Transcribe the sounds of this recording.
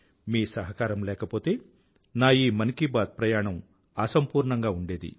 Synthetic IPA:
miːsɐɦɐkaːɾɐmlɛːkɐpo̞ːt̪e̞ː | naːiːmɐnikibaːt̪̚pɾɐjaːɳɐm | ɐsɐmpuːɾɳɐŋɡaːuɳɖe̞ːd̪ḭ

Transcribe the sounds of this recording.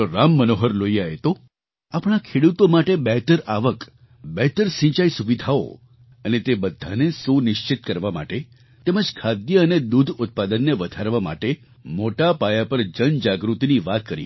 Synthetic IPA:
oɾamːənoɦəɾloiaɦet̪o | apɳ̃akʰeɽut̪omaʈebɛɦt̪əɾaʋək | bɛɦt̪əɾsĩt͡ʃaisuʋid̪ʱao̰ | ənet̪ebəd̪ʱːanesunɪʃt͡ʃɪt̪̚kəɾʋama̰ʈe | t̪eməd͡ʒkʰad̪jəəned̪ud̪ʱʊt̪̚pad̪ənːeʋəd̪ʱaɾʋama̰ʈe | moʈapajapəɾd͡ʒənd͡ʒaɡɾut̪iniʋat̪̚kəɾḭ

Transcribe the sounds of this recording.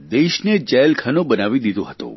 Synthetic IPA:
d̪eʃned͡ʒəjlkʰanobənaʋid̪id̪õɦət̪ṵ̃

